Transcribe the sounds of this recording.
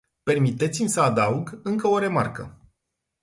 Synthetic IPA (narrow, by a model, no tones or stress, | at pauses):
pe̞rmit̪e̞t̪simʲsəad̪auɡɨŋkəo̞ɾe̞ma̰rkə